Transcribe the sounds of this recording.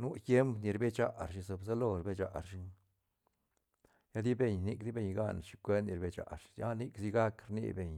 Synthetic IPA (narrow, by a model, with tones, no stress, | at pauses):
nu˦t̪je˦mpni˨˧ɾbe˦t͡ʃa˨˧ʔɾʃ̬i˧so˧˨bsa˦lo˧ɾbe˦t͡ʃa̰˨ɾʃi˦ŋ | ja˦d̪i˦be˨ɲni˧kd̪i˦be˧ɲɡa̰˦n˨ʃi˧kʷe˦ni˧ɾbe˧t͡ʃa̰˨ɾʃja˦ni˦ksi˧ɡa˦kɾnḭ˧be˨ɲ